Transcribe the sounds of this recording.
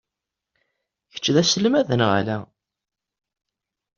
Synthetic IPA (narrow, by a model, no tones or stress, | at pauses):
çə̥t͡ʃːðæsəlmæðənʁa̰læ